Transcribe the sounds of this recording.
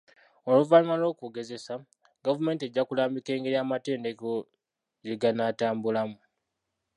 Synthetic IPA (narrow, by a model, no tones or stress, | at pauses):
o̞lovaɲiwalo̞ːkuːɡe̞ze̞sa | ɡavume̞ːntie̞ɟːakulaːmbike̞ːŋɡe̞ɾiaːmate̞ːndeko | jeɡanataːmbulamu